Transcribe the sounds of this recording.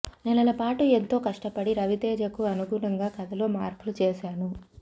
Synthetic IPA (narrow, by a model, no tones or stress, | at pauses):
nɛlɐlɐpaːʈuent̪o̞ːkɐʂʈɐpɐɽiɾɐʋit̪eːd͡ʒɐkuɐnuɡuɾɐŋɡaːkɐd̪ʱɐlo̞ːmaːɾpulut͡ʃeːʃaːnu